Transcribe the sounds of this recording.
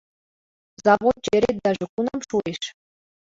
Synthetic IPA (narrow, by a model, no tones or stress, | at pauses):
zɑʋont͡ɕĕɾʲet̪̚ʲd̪ɑʐĕkunɑmʃueʃ